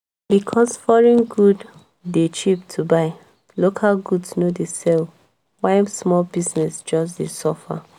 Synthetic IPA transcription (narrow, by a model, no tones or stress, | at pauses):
bikʰɔsfɔɹĩnɡudː | et͡ʃip̚tʰubaɪ | lokʰalɡudsnodesɛl | wãɪsmɔlbiznɛsd͡ʒɔs̬desɔfa̰